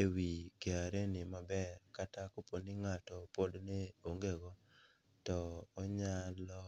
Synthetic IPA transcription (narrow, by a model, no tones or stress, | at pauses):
ewikeaɾenɪmabɛɾkatakoponɪŋatɔpodneoŋɡeɡɔ | tɔːɲalɔ